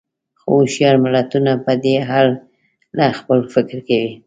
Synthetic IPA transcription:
xo̰oʃijɑɾmɪlat̪unapəd̪eɦɑl | laxpəlfɪkɾkawi

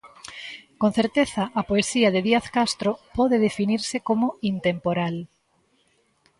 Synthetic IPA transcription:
kõn̟θeɾt̪eθɐʔapoesiɐðeðiaθkast̪ɾopɔðeðefiniɾsekomoint̪empoɾal

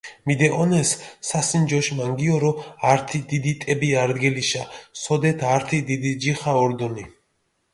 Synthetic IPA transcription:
mid̪ɛʔɔnɛsːasind͡ʒɔʃmaŋɡiɔɾɔaɾt̪ʰid̪id̪it̪ʼɛbiaɾd̪ɡɛliʃasɔd̪ɛt̪ʰaɾt̪ʰid̪id̪id͡ʒiχaɔɾd̪ɔni

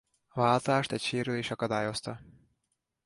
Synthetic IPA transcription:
vaːlt̪aːʃt̪ɛcʃeːɾyleːʃɒkɒd̪aːjo̞st̪ɒ

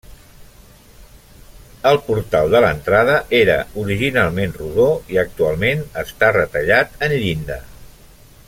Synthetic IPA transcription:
əlˠpuɾt̪alˠd̪ələnt̪ɾað̞əʔeɾə̰uɾiʒinalˠmenruðoiək̚t̪ualˠmenəst̪arət̪əʎat̪ənʎind̪ə

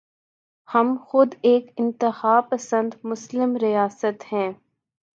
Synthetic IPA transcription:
hɐmxʊd̪eːkɪ̃nt̪ɪxaːpɐsə̃nd̪mʊslɪmɾijaːsət̪hɛ̃ː

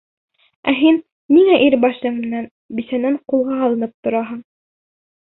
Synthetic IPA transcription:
æɦinː | iŋæʔiɾbɑʃɤɴmɘ̆næn | bisænæɴqulˠʁɑɑlˠɤ̆nɤp̚t̪ŏɾɑɦɤɴ

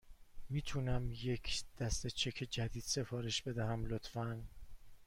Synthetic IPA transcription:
miːt̪ʰunæmje̞cʰd̪̥æst̪e̞t͡ʃʰe̞cʰed͡ʒæd̪iːd̪̥se̞fɒːɾe̞ʃbe̞d̪æhæmlot̪fæn

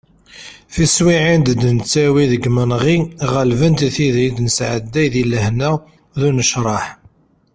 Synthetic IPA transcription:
θiswiʕind̪d̪nt͡sːæwiðəɡmənʁiʁəlvənt̪iθiðid̪nəsʕəd̪ːæjðiləhnə | ðunəʃɾˤɑħ

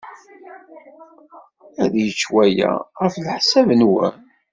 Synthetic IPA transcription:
æðjət͡ʃːwæjæ̰ʁəflħsævənwæ̰n

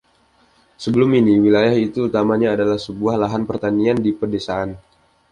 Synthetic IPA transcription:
səbəlʊminiwilajahit̪uːt̪amaɲaːdalahsəbuahlaɦanpərt̪aniandipərdesaʔan

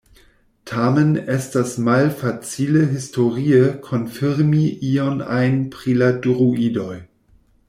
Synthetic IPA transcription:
tʰamenɛstasmalfat͡siləɦistoʁiəkʰonfiɾmiʔiona̰jnpʁiladuʁuʔidoj

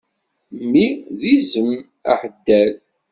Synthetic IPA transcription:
mːiðizəm | a̰ħəd̪ːæl

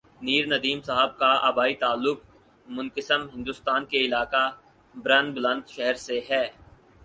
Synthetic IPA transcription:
niːɾnɐd̪iːmsaɦəb̚kaa̰ːbaːit̪aːlːʊk | mʊ̃nkəsəmɦɪ̃nd̪ʊːst̪aːnkeɪlaːka | bɾɐnblə̃nt̪ʃɛɦəɾseɦɛː

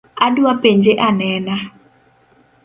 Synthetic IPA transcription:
adwapeɲd͡ʒeʔanɛna

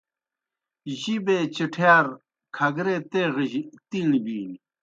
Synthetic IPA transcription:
ʑibet͡ɕiʈʰjaːɾ | kʰɐɡɾet̪eʁt̪iŋbi

